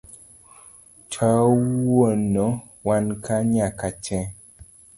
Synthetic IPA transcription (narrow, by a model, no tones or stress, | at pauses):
t͡ʃʰawwonɔ | wankaɲakat͡ʃɛ